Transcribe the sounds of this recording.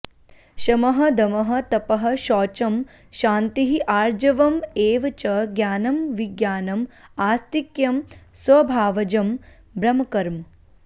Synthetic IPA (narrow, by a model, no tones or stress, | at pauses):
ʃɐmɐɦɐ̆d̪ɐmɐɦɐ̆t̪ɐpɐɦɐ̆ʃɔːt͡ʃɐm | ʃaːnt̪iɦiʔaːɾd͡ʒɐʋɐmeːʋɐt͡ʃɐɡjaːnɐmʋiɡjaːnɐmaːst̪ikjɐm | sʋɐbʱaːʋɐd͡ʒɐm | bɾɐmɐkɐɾm